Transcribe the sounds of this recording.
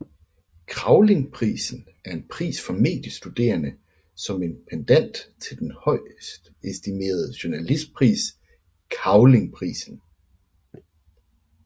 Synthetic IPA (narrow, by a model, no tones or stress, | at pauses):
kʰʁɑ̈ʊle̝ŋpʰʁḭːsn̩ | æɐe̝npʰʁḭːsfɒ̽me̝̰ːd̥jəsd̥ud̥e̝̰ːɐnə | sɒ̽me̝npʰend̥æn̰d̥t͡sʰe̝ld̥enhɒ̽ɪ̰sd̥ | esd̥ime̝̰ːɐð̞ˠəɕunælisd̥̚pʰʁḭːs | kʰɑ̈ʊle̝ŋpʰʁḭːsn̩